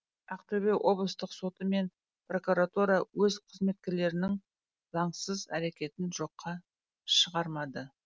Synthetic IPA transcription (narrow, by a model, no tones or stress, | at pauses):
æqt̪eβejwʔo̞blˠəst̪əqso̞t̪əme̞n | pro̞kuɾat̪uɾɑwɵzqʰəzme̞t̪̚kʲe̞ɾle̞ɾɪnɪŋ | zɑɴsəzæ̰ɾe̞kʲe̞t̪ɪnʒo̞qːɑ | ʃəʁɑɾmɑd̪ə